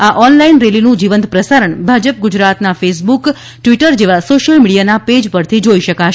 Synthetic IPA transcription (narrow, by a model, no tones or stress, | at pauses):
aʔɔnlainɾelinũd͡ʒiʋənt̪pɾəsaɾəɳbʱad͡ʒəp̚ɡud͡ʒɾat̪nafesbuk | ʈʋiʈəɾd͡ʒeʋasoʃəlmiɽijanaped͡ʒpəɾt̪ʰid͡ʒoiʃəkaʃ